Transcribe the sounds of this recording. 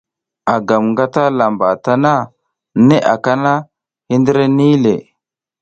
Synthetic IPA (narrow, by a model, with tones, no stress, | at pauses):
a˨ɡa˨mŋɡa˦ta˦la˨mba˨ta˦na˦ | ne˦ʔa̰˨ka˦na˦ | hi˦ndə˦ɾe˦ni˦le˨